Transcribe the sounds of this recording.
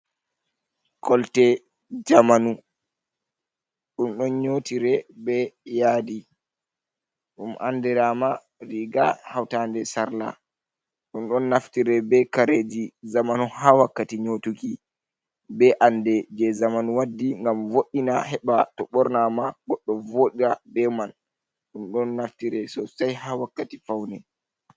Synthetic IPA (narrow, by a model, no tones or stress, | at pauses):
kʰɔltɛ | d͡ʒamanu | ɗunɗɔnɲotiɾɛbɛjaːdi | ɗumʔa̰ndɛɾama | ɾiɡa̰hawtandɛsaɾla̰ | ɗunɗɔnːaftiɾɛbɛkaɾed͡ʒizamanɔhawakːatiɲotuki | bɛʔandɛd͡ʒɛzamanwadːiŋɡamvoʔinahɛɓatɔɓɔɾnamaɡɔɗːɔvoɗiɾabɛman | ɗunɗɔnːaftiɾɛsɔsajhawakːatifawnɛ